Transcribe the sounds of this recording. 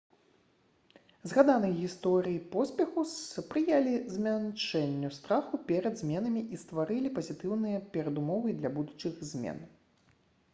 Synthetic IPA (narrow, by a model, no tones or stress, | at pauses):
zɣad̪anɨjɣʲist̪ɔɾɨjipɔsʲpʲɛxuspɾɨjalʲizʲmʲant͡ʂɛnʲːust̪ɾaxupʲɛɾɐd̪zʲmʲɛnɐmʲiʔist̪vaɾɨlʲipɐzʲit̪ɨwnɨjɐpʲɛɾɐd̪umɔvɨd̪lʲɐbud̪ut͡ʂɨɣzʲmʲɛ̰n